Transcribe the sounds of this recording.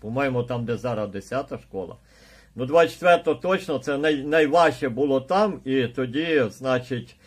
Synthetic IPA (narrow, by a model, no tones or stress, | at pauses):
pɔmɑjɪmʊt̪ɑmd̪ezɑɾɐd̪esʲat̪ɐʃkɔlˠɐ̰ | nud̪ʋɑt͡ʃːe̥t̪ʋɛrt̪ɔɔt̪ɔt͡ʃnɔt̪sɛnɐjnɐjʋɑʃt͡ʃɛbʊlˠɔt̪ɑmit̪ɔdʲiznɑt͡ʃɪtʲ